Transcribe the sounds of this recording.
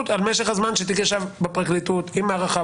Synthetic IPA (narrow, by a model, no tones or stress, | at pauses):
t̪almeʃeχazmanʃet̪ikeʃavbepʁaklit̪ut̪imːeaʁaχa